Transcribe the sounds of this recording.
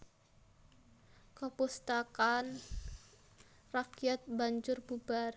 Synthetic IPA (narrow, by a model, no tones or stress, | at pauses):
kəpust̪akan | rakiat̪̚baɲd͡ʒʊrbubar